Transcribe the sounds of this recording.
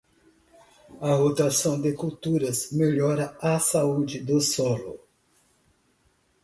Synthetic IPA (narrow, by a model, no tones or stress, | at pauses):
ɐɦot̪asɐ̃w̃d̪ɪkuwt̪uɾɐzmeʎɔɾɐɐsaud͡ʒɪd̪ʊsɔlʊ̰